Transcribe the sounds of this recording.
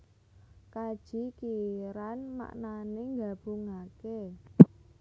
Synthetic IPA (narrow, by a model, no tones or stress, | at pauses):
kad̥ʒ̥i̤kiɾanma̰ʔnaneŋɡab̥ṳŋake